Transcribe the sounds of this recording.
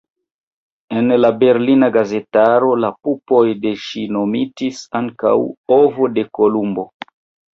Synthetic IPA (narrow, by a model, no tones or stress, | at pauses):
e̞nlabe̞ɾlinaɡaze̞taɾo̞lapupo̞jde̞ʃino̞mitisaŋka̰wovo̞de̞ko̞lumbo̞